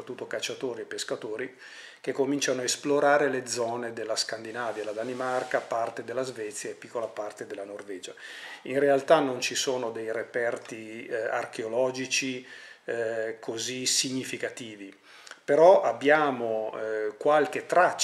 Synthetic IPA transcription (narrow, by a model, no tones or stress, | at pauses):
ɾat̪ːut̪ːokat͡ʃːat̪oːɾiepːeskat̪oːɾi | k̟ekːomint͡ʃanoaesploɾaːɾeled̪zɔːned̪elːaskand̪inaːvjalad̪animarkapart̪ed̪elːazvɛt̪sjaepːikːolapart̪ed̪elːanorvɛːd͡ʒainrealt̪anont͡ʃisoːnod̪ejrepɛrt̪ia̰rkeolɔːd͡ʒit͡ʃi | kʰozisiɲːifikat̪iːvi | peɾɔabːjaːmokwalk̟et̪ːɾat͡ʃː